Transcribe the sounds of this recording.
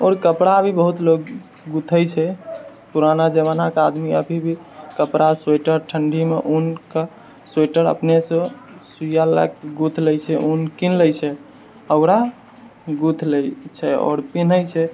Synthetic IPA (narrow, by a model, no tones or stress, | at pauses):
ɔːɾkəpɽabʱibəɦut̪lok | ɡut̪ʰət͡ʃʰɛ | puɾanad͡ʒeβanakead̪miəbʱibʱi | kəpɾaseʈəɾʈʰəɳɖʱimḛʔunka | seʈəɾə̰pnesɔ̃ | sujala̰kɡut̪ʰlɛjt͡ʃʰɛʔunkinləjt͡ʃʰɛ | əʊɾa | ɡut̪ʰlɛt͡ʃʰɛɔ̰ːɾpin̤əjt͡ʃʰɛ